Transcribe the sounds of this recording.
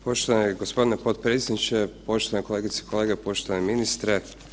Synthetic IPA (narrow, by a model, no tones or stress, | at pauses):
po̞ʃt̪oʋaneɡospo̞d̪inepot̪pɾeːt̪sʲed̪nit͡ʃepo̞ʃt̪oanekoleːɡit̪se̥i̥kʰoleːɡepo̞ʃt̪oaneminist̪ɾe